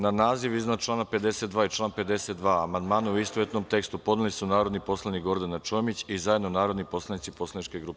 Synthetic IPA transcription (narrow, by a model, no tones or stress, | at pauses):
nanaːziʋiznat͡ʃlˠaːnape̞d̪e̞se̞t̪d̪ʋaːit͡ʃlˠaːnpe̞d̪e̞set̪d̪ʋaːamand̪maːnuuist̪oet̪nomt̪e̞kst̪upod̪nilisunaːɾo̞d̪nipo̞slˠanikɡo̞ɾd̪anat͡ʃo̞mit͡ɕizaje̞d̪nonaːɾo̞d̪nipo̞slˠanit̪ipo̞slˠanit͡ʃkeɡɾuːpe